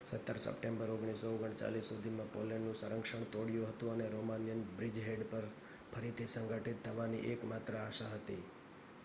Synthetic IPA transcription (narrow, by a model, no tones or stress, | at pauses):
sət̪ːəɾsə̰pʈẽmbəɾoɡɳ̃isooɡəɳt͡ʃa̰lisːud̪ʱimãpo̰leɳnũsəɾəŋkʃəɳ̃t̪oɽijuɦət̪ũəneɾomanijənbɾid͡ʒɦeɖpəɾ | pʰəɾit̪ʰisəŋɡʱəʈit̪ʰːəʋanḭʔekmat̪ɾəaʃaɦət̪i